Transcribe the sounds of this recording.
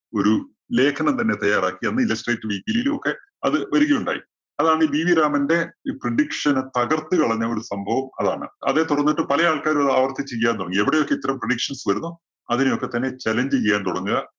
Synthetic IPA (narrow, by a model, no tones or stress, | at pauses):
o̞ɾu | le̞ːkʰɐɳɐmt̪ɐnːe̞t̪ɐjːaːraːkːienːɨilɐsʈrejtːɨʋiːpiliilumo̞kːe̞ | ɐðɨʋɐɾiɣɐjuɳɖa̰ːjḭ | ɐðaːɳibiːʋiɾaːmɐnde̞preɽikʂɐnt̪ɐɣɐrt̪ːɨkɐɭɐɲːɐo̞ɾusɐmbʱɐʋɐmɐ̰ðaːɳɨ̰ɐ̰ðe̞t̪uɽɐnːiʈːɨpɐlɐjaːɭkaːɾumɐðɨaːʋɐrt̪it͡ɕːijːɐjaːnt̪uɽɐŋːieʋiɽejo̞kːe̞it̪ːɐɾɐmpreɽikʂɐnsʋɐɾunːu | ɐðinejo̞kːe̞t̪ɐnːe̞t͡ɕɐlɐɲd͡ʑijɐjaːnt̪uɽɐŋːuɣɐ